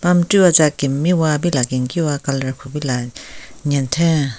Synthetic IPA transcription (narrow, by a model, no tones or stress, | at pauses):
pamʈ͡ʂiwat͡saʔkimiwap̬ilakeŋkiwakalaɹpʰupilaɲɛt̪ʰɛn